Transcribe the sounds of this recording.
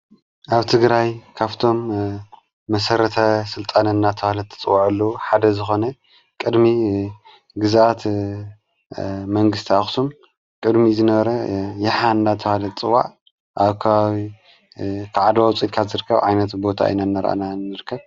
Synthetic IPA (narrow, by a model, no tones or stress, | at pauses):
ʔaβt̪ʰɨɡɾajkʰaβt̪ʰo̞mː | ɐsɐɾɐt̪ʰɐsɨlt̪ʼanɐnːat̪ʰɐhalɐt̪ʰːɐ̥t͡sʼɨwaʕɨlːɐuħad̪ɐzɨxo̞nɐ | kʼɨd̪mi | ɡɨzʔat̪ | mɐŋɡɨst̪ʰiaxsum | kʼɨd̪mizɨnɐβɐɾɐjɪħaɨnːat̪ʰɐhalɐt̪t͡sʼɨwa̰ʕ | ʔaβkʰɐβawi | kʰaʕad̪wawt͡sʼilkʰat̪zɨɾɨkʰːɐβʕajnɐt̪bo̞t̪ʰa̰ɨ̰nanːɐɾʔa̰nanɨɾɨkʰːɐβ